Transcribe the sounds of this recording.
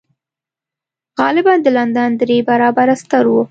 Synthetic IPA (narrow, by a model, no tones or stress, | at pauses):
ɣɑlɪbɑnd̪əland̪and̪ɾebaɾɑbaɾast̪əɾwu